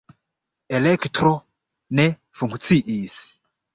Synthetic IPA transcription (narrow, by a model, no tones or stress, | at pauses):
ɛlɛkʰtrɔ | nɛ | fuŋɡʰut͡sʰiʔiːsi̥